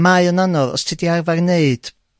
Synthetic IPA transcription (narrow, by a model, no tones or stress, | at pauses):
maɨɔnanɔðɔ̰stʰidiarvarneɨd̥